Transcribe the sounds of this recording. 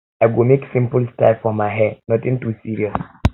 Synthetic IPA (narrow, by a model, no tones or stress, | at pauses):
aɪɡumeksɪ̃mpəlstaɪfɔmaɪɦɛnɔtĩŋtusiɹiɔs